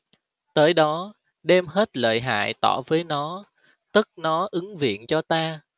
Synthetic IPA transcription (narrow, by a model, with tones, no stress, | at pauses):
t̪əː˨˦jɗɔ˨˦ | ɗɛ˧mhe˦˥t̚lə̰ː˧˨jɦa̰ː˧˨jt̪ɔ̰˧˩vəː˨˦jnɔ˨˦ | t̪ɨ˦˥k̚nɔ˨˦ʔɨ˨˦ŋvḭ˧˨ənt͡ɕɔ˧t̪aː˧